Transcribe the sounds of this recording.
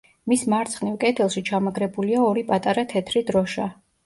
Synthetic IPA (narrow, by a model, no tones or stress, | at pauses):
mismaɾt̪sʰχnivkʼɛt̪ʰɛlˠʃit͡ʃʰamaɡɾɛbuliaɔɾipʼat̪ʼaɾat̪ʰɛt̪ʰɾid̪ɾɔʃa